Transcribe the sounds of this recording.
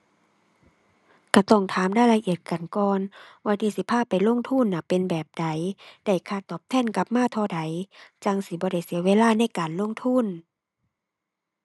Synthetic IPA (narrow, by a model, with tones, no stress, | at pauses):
kʰa˧˩t̪ɔ˧˩ŋt̪ʰaː˨˦mdaː˧˥˨jla˧ʔi˧˩ət̪̚ka˨˩nkɔː˧nwaː˧˩t̪ʰiː˧˩si˧˦pʰaː˧˥˩pːa˨jlo˧˥˨ŋt̪ʰu˧˥˨nːa˧˩pːe˨nbɛː˨˩p̚da˨˦jda˧˩jkʰaː˧˩˨t̪ɔː˨˩p̚t̪ʰɛː˧˥˨nka˧˦p̚maː˧˥˨t̪ʰɔː˧˩da˨˦jt͡ɕa˧ŋsi˧˦bɔː˧ɾa˧˩jsi˨˦əweː˧˥˨laː˥˨na˧˥˨jkaː˨nlo˧˥˨ŋt̪ʰu˧˥˨n